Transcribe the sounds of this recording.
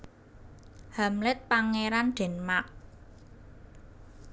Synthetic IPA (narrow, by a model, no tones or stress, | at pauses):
hamlɪt̪̚paŋeɾanɖ̥ɛ̤nmak̚